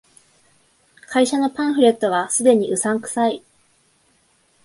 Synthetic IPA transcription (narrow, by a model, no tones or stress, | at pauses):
kʰaiɕano̞pãɰ̃ɸɯ̟ɾe̞t̪ːo̞βasɨd̪e̞ɲ̟iʔɯ̟sãŋkɯ̟̥sai